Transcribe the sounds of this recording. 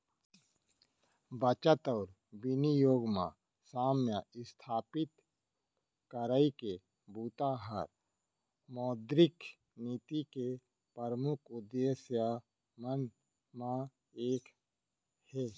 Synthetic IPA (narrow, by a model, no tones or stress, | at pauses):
bət͡ʃət̪ɔːɾ | bɪnijoːɡmã̰ | saːmjəɪst̪ʰaːpɪt̪ | kəɾaike | buːt̪aɦə̰ɾ | mɔːd̪ɾɪk | niːt̪ike | pəɾəmʊkʰʊd̪ːesja | mən | mã | eːk | hɛː